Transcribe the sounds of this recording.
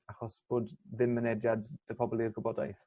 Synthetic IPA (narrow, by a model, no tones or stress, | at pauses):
aχɔsb̥oːdðɪmːənɛdjadd̥əpʰɔblˠirɡɔbɔda̰jθ